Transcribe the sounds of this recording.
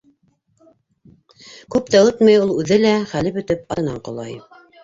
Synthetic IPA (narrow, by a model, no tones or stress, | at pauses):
kʉp̚t̪æot̪mɑjulˠʉðɘlæχælɘpɵ̆t̪ɘpɑ̰ɤ̆nɑɴqŏlˠɑ̰j